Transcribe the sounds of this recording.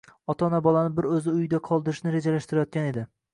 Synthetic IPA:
ɒt̪ʰanabɒlˠanɪbɪɾɵzɪʊjɪd̪aqʰɒlˠd̪ɪɾɪʃnɪɾe̞d͡ʒalaʃt̪ɪɾajɒt̪̚kʲane̞d̪ɪ

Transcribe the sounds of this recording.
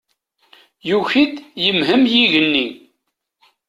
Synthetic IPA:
juçid̪jəmɦəmjiʝənːi

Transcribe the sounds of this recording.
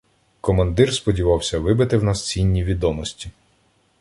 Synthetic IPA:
kɔmɐnd̪ɪrspɔdʲiʋɑwsʲɐʋɪbɪt̪ɪwnɐst͡sʲinʲːiʋʲid̪ɔmɔsʲtʲi

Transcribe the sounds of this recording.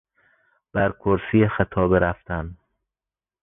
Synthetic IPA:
b̥æɾkʰoɾsiːxet̪ʰɒːbeɾæft̪æn

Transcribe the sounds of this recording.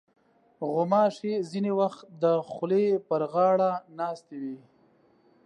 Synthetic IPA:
ɣʊmɑʂezinewaxt̪̚d̪əxʊlepəɾɣɑːɽanɑːst̪ewi

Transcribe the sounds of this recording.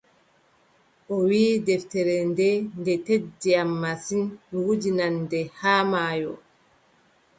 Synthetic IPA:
ʔɔwiːdɛftɛɾɛndɛndɛtedːiamːasinwud͡ʒinandɛhaːmaːjɔ

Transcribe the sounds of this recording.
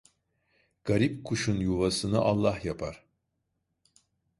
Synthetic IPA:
ɡ̥aɾipkʰuʃunjuvasɯnɯʔalˠːahjapʰaɾ̥

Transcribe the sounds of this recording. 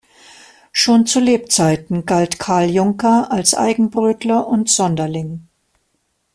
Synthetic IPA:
ʃoːnt͡suleːp̚t͡saɪtn̩ɡaltkʰaɐljʊŋkɐalsʔa̰ɪɡŋ̩bʁøːtlɐʔʊntz̥ɔndɐlɪŋ

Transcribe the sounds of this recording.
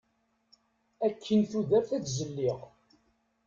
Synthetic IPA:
ækʰːənθuðæɾθæt͡szəlːiʁ

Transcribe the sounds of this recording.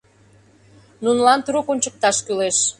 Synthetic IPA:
nunlɑnt̪uɾokonʲt͡ɕək̚t̪ɑʃkyleʃ

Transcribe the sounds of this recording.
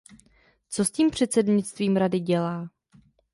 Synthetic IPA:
t͡so̞sciːmpr̝̥ɛt̪t͡sɛdɲɪt͡st̪viːmɾadɪɟɛlaː

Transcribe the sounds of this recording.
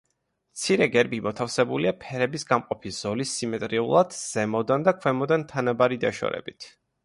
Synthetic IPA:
mt̪sʰiɾɛɡɛɾbimɔt̪ʰafsɛbuliapʰɛɾɛbisɡamqʼɔpʰisz̥ɔlisːimɛt̪ʼɾiulˠad̪̥z̥ɛmɔd̪and̪akʰwɛmɔd̪ant̪ʰanabaɾid̪aʃɔ̰ɾɛ̰bit̪ʰ

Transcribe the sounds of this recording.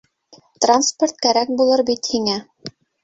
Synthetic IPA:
t̪ransport̪̚kæɾæk̚bulˠɤɾbit̪hiŋæ

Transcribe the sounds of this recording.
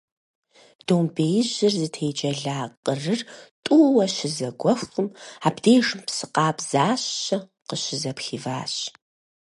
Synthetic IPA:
d̥oːmbeːjɪʑɪrzɨtʰeːd͡ʒʼɐɮaːqʼərɨrtʼuwɐɕɪzɐɡʷɔxɨmaːbdeːʐɨmpsɨqɑːpz̥aːɕɐ | qəɕɪzɐpxiːva̰ːɕ

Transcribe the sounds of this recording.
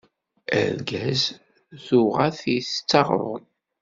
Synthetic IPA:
æ̰ɾɡæz | θuʁæθst͡sːɑʁɾ̰ˤ

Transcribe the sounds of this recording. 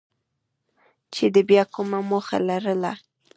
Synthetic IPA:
t͡ʃed̪əbjɑkʊmamoxa̰laɾəla

